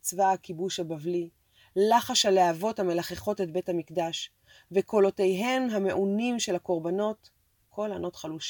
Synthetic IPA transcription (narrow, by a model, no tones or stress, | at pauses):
t͡svaakibuʃhabavli | laχaʃaleavo̞thame̞laχeχo̞tet̚be̞thamikdaʃ | veko̞lo̞tejɦemɦame̞ʔunimʃe̞lhako̞ʁbano̞t | kʰo̞lano̞tχaluʃ